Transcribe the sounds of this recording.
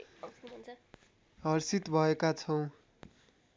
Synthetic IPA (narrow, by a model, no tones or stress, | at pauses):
ɦʌrsit̪bʱʌekat͡sʰʌw̃